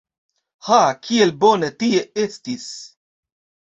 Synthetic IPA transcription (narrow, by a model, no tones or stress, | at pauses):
hakʰielbonetieestis